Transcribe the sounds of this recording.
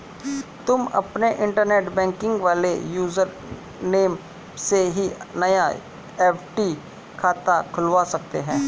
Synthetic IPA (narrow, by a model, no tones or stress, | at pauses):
t̪ʊmɐ̰pneʔɪ̃ɳʈəɾneːʈbɛ̃ːŋkɪ̃ŋɡʋaːlejuːzəɾ | neːm | seɦinɐja | ɛːfʰʈi | kʰaːt̪akʰʊlʋasɐk̚t̪eɦɛ̃ː